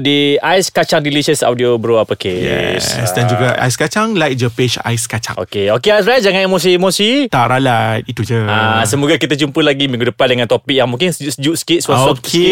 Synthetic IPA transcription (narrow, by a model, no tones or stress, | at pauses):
diʔajskat͡ʃaŋdiliʃəsa̰wdiobɾoapəkejɛ̰ssdand͡ʒuɡaʔa̰jskat͡ʃaŋlajk̚d͡ʒəpeʃa̰jskat͡ʃa̰ŋʔo̰keokeajsɾat̚d͡ʒaŋãnemos̬iemosit̪aʔɾalat̪̚it̪ud͡ʒəãsəmuɡakit̪at͡ʃumpəlaɡimĩŋɡudəpandəŋãnt̪opik̚jaŋmũŋkɪnsd͡ʒusd͡ʒuʔskitswasɔpkʰe